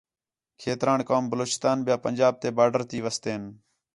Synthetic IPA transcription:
kʰeːt̪ɾaːɳkaːmbəloːt͡ʃɪst̪aːnbɪjaːpənʲd͡ʒaːb̚t̪eːbaːɖəɾt̪iːʋəst̪eːn

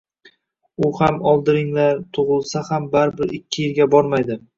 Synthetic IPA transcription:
ʊhamɒlˠd̪ɪɾɪŋlaɾt̪ʰʊʁɨlˠsahambaɾbɪɾɪkʲʰːɪjɪɾɡʲabɒɾmajd̪ɪ

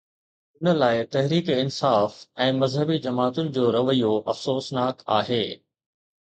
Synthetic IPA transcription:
ʊnə̆laːɪt̪ɐɦɾiːkɪnsaːfɛ̃ːmɐzɦəbid͡ʑɐmaːt̪ʊnɪ̆d͡ʑoːɾɐʋəijoʔɐfsoːsnaːka̰ːɦeː

